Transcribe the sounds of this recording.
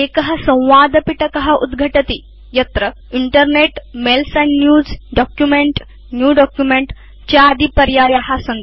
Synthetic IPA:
ekəɦɐsɐ̃w̃ʋad̪piʈɐkɐɦɐʔud̪ɡʱəʈət̪i | jɐt̪ɾə | iɳʈəɾneʈmelsɐnːjuːd͡zɖɔkjumeɳʈ | njuːɖɔkjumeɳʈ | t͡ɕaːd̪ʱipɐɾjaɾjaɦasɐn

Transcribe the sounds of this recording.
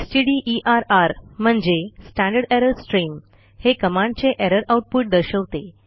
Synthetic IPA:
sʈiɽiʔiʔaɾaɾm̤əɳd͡zesʈæ̃ɳɖəɽeɾəɾsʈɾiːm | hekəmãɳɖt͡seʔeɾəɾauʈ̚puʈ̚d̪əɾɕəʋt̪e

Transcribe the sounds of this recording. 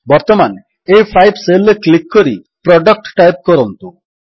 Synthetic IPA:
bɔɾt̪ɔman | ejpʰajbselːeklikːɔɾi | pɾɔɖək̚ʈʈajp̚kɔɾɔnt̪u

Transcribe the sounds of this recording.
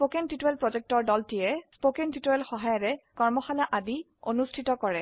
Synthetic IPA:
spokentitoɛlpɹɔzɛk̚tɔɹdɔltijɛspokɛntitɔjɛlxɔɦajɔɹɛkɔɹmɔxalaʔadi | onustʰitɔkɔɹɛ

